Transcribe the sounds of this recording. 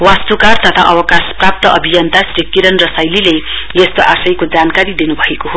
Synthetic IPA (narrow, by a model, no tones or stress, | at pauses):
wast̪ukart̪ʌt̪ʰa̰ʔʌwʌkasprap̚t̪ʌʔʌbʱijʌnt̪asɾikiɾʌnrʌsajlile | jest̪oʔasʌjkod͡zankaɾid̪inubʱʌekoɦo